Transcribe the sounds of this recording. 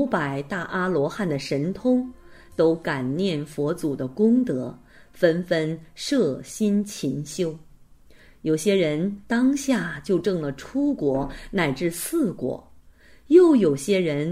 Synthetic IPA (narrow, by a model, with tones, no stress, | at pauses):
ʊpa˨˩ɪt̪a˥˩ʔa˥lwɔ˧˥xa˥˩nd̪ə˩ʂə˧˥nt̪ʰʊ˥ŋt̪o˥ʊka˨˩nnjɛ˥˩nfwɔ˧˥t͡su˨˩d̪ə˦kʊ˥ŋt̪ɤ˧˥ | fə˥nfə˥nʂɤ˥˩ɕi˥nt͡ɕʰi˧˥ŋɕjo˥ʊ | jo˨˩ʊɕjɛ˥ɻə˧˥nt̪ɑ˥ŋɕja˥˩t͡ɕjo˥˧ʊʈ͡ʂɤ˥˩ŋlə˩ʈ͡ʂʰu˥kwɔ˧˥na˨˩ɪʈ͡ʂɻ̩˥˧sʰɹ̩˥˩kwɔ̰˨˩˦ | jo˥˩ʊjo˨˩ʊɕjɛ˥ɻə˧˥n